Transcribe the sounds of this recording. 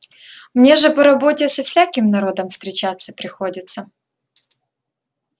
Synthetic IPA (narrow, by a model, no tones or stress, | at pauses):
mnʲe̞ʐɨpɐɾɐbo̞tʲɪsɐfsʲakʲɪmnɐɾo̞d̪əmfst̪ɾʲɪt͡ɕat̪sːəpɾʲɪxo̞dʲɪt̪sə